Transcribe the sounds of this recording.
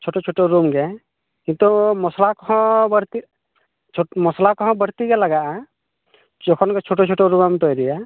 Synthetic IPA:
t͡ʃʰoʈot͡ʃʰoʈoɾumɡɛ | kĩnt̪umɔslakɔɦɔ̃bəɾt̪i | t͡ʃʰmɔslakɔɦɔ̃bəɽt̪iɡɛlaɡaʔa | d͡ʒɔkʰɔnkɛt͡ʃʰoʈot͡ʃʰoʈoɾumamt̪ɔjɾija

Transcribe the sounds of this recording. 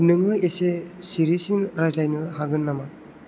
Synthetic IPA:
nɯŋɯjesesiɾisinɾajzlajnɯhaɡɯnːama

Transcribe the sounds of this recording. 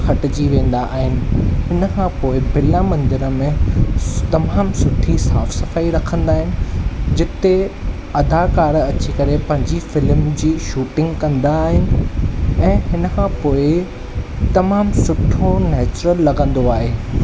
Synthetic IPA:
xɐʈɪd͡ʑiʋẽːn̆d̪aʔaːɦɪnɪ̆ɦɪnəkʰãpoːɪbʱɪlamɐ̃nd̪ɪɾəmẽ | t̪ɐmaːmsʊʈʰisaːfsɐfaːiɾɐkʰə̃nd̪aːɦɪnɪ̆d͡ʑɪt̪e | ɐd̪ʱakaːɾɐt͡ɕikɐɾepɐ̃ɦɪ̃ɲd͡ʑifɪlmd͡ʑiːʃuːʈɪ̃ŋɡkɐ̃nd̪aːɦɪnɪ̆ɛ̃ːɦɪnəkʰãpoːɪ | t̪ɐmaːmsʊʈʰonɛːt͡ɕɾəlːɐɡʱə̃nd̪oaːɦeː

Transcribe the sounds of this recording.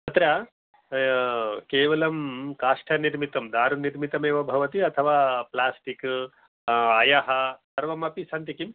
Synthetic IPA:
ɐt̪ɾɐ | keːʋɐlɐmkaːʂʈʰɐniɾmit̪ɐmd̪aːɾuniɾmit̪ɐmeːʋɐbʱɐʋɐt̪iɐt̪ʰɐʋaːplaːsʈik | aːjɐɦɐsɐɾʋɐmɐpisɐnt̪ikim

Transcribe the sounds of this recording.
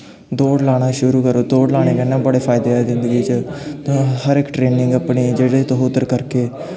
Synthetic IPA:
d̪oːɽlaːɽ̃aːʃʊɾuːkəɾoːd̪oːɽlaːɽ̃eːkənãːbəɽeːpʰaːɪd̪eːezɪ̃nd̪əɡiːt͡ʃət̪õhəɾɪkʈɾeːnɪ̃ŋɡapɳiːd͡ʒeːɽet̪oɦot̪əɾkəɾkeː

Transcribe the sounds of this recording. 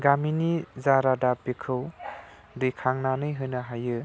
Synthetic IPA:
ɡaminizaɾadapːekʰɯw | dikʰaŋnanɯjɦɯnɯɦajɯ

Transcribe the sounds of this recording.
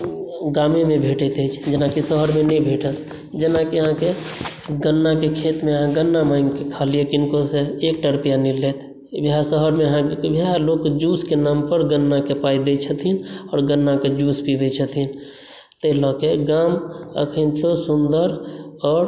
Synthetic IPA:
ɡamemebʱeʈɛt̪ɛt͡ʃʰd͡ʒenakisəɦəɾmenɛbʱeʈət̪ | d͡ʒenakiəɦãke | ɡənːakekʰet̪meəɦãɡənːamaiŋkekʰalijekinkoseek̚ʈəɾəpijanilet̪ʰ | bʱiɦasəɦəɾmeəɦãbʱiɦalokd͡ʒuskenampəɾɡənːakepaid̪et͡ʃʰət̪ʰinɔːɾɡənːaked͡ʒuspibɛt͡ʃʰət̪ʰin | t̪əlɔkeɡamə̰kʰənt̪osund̪əɾɔːɾ

